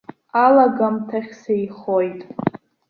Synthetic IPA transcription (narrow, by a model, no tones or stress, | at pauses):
alaɡamtʰaχʲsejχojtʼ